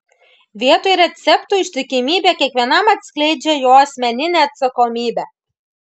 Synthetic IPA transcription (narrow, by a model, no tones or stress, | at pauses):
ʋʲiɛt̪ɔjɾʲɛt̪sʲɛpt̪uːɪʃʲt̪ʲɪkʲɪmʲiːbʲeːkʲiɛkʋʲiɛnɐmɐt̪sʲklʲɛɪd͡ʒʲɛjoːɐsʲmʲɛnʲɪnʲeːɐt̪sɐkɔmʲiːbʲæː